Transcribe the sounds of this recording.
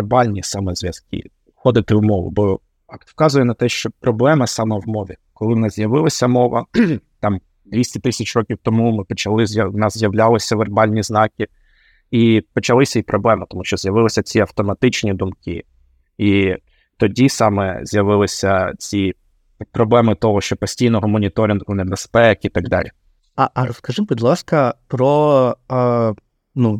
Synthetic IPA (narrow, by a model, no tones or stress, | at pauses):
rbɑlʲnʲisɐmɛzʲʋʲjɐz̥kɪ̰ | xɔd̪ɪt̪ɪwmɔʋʊ̰bɔ | wkɑzʊjɛnɐt̪ɛʃt͡ʃɔpɾɔblˠɛmɐsɑmɛwmɔʋʲikɔlˠɪnɪzjɐʋɪlˠɐsʲɐmɔʋɐt̪ɑm | d̪ʋʲisʲtʲɪt̪ɪsʲɐt͡ʃrɔkʲiwt̪ɔmumɪpɔt͡ʃɐlˠɪzjɐnɑszʲjɐwlʲalˠɪsʲɐʋerbɑlʲnʲiznɑkʲɪ | ipɔt͡ʃɐlˠɪsʲɐipɾɔblˠɛmɪt̪ɔmuʃt͡ʃɔzʲjɐʋɪlˠɪsʲɐt͡sʲiɐwt̪ɔmɐt̪ɪt͡ʃnʲid̪umkɪ | i | t̪ɔdʲisɑmɛ̰zʲjɐʋɪlˠɪsʲɐt͡sʲi | pɾɔblˠɛmɪt̪ɔɦɔʃt͡ʃɔpɔsʲtʲijnɔɦɔmɔnʲit̪ɔɾʲɪnɦʊnebespɛkit̪ɐɡd̪ɑ̰lʲi | ɐʔɾɔskɐʒɪmbɪd̪lˠɑskɐpɾɔ | nu